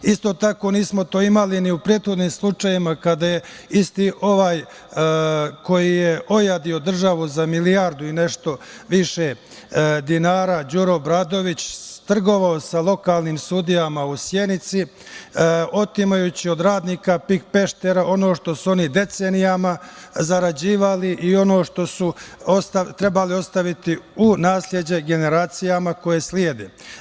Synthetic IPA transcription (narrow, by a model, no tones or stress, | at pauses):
ist̪o̞t̪ako̞niːsmo̞t̪o̞ːimaliniupɾet̪xo̞d̪niːmslˠut͡ʃajimakad̪aje̞ist̪iʔo̞ʋaːj | ko̞jijeʔo̞jad̪io̞d̪r̩ʒaʋuzamilijaɾd̪uine̞ʃt̪o̞ʋiʃe̞ | d̪inaːɾad͡ʑuɾobɾad̪o̞ʋit͡ɕt̪r̩ɡo̞ʋaosalo̞kaːlˠniːmsud̪ijamausje̞nit̪si | o̞t̪imajuːt͡ɕio̞d̪ɾaːd̪niːkapik̚pe̞ʃt̪e̞ɾaʔo̞noʃt̪o̞suo̞nid̪e̞t̪seːnijamazaɾad͡ʑiːʋaliʔio̞no̞ːʃt̪o̞suost̪at̪ɾe̞balio̞st̪aʋit̪iunaːslʲje̞d͡ʑe̞ɡe̞ne̞ɾaːt̪sijamako̞jesljeːd̪eː